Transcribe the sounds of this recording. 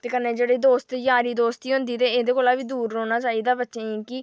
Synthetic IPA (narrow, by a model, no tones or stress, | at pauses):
t̪eːkənːeːd͡ʒeːɽeːd̪oːst̪jaːɾiːd̪oːst̪iːɦʊ̃nd̪iːt̪eːeːd̪eːkoːlaːʋiːd̪uːɾoːnaːt͡ʃaːiːd̪aːbətːʃeːeːki